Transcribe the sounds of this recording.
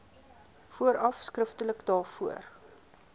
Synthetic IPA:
fuəɾɐfskrəftələkdɑːfuər

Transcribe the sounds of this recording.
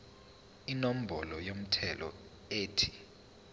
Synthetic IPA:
inom̩bʱɔlɔjom̩tʰɛlɔ̰ | eːtʰi̥

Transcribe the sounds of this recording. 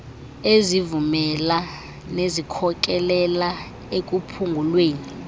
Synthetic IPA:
ezivumɛla | nezikʰɔk̬ʼɛlɛla | ek̬ʼupʰuŋɡʱulweːni

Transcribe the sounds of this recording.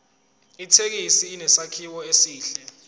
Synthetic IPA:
itʰek̬isiːnɛsakʰiwɔesiːɬɛ

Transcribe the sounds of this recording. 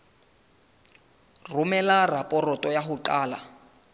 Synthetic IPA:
rumɛlarapʼɔrɔtʼɔjaɦuǃaːla̰

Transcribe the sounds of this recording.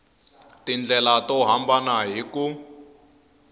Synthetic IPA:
tind͡ɮʱɛlatɔɦambanaɦiku

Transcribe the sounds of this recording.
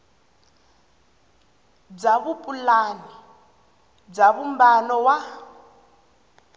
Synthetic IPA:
b͡ʐaβupʼulaːnɔ | b͡ʐaβumbanɔwa

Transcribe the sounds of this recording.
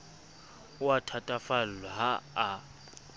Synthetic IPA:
watʰatʼafallɔɦaː

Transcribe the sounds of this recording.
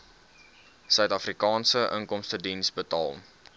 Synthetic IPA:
sœɥtɐfrikɑːnsəʔə̰ŋkɔmstədinsbətɑ̰ːlˠ

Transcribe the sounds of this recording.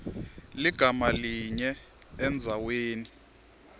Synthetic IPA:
liɡ̥ʱamaliɲɛ | ɛnd͡zʱaweːni

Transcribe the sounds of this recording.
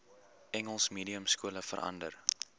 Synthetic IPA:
ʔɛŋəlˠsmiːdiəmskuələfə̰ɾʔɐ̰ndər

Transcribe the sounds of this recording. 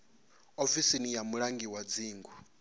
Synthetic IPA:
ofisinijamuɺaŋɡiwad͡ziːŋɡu

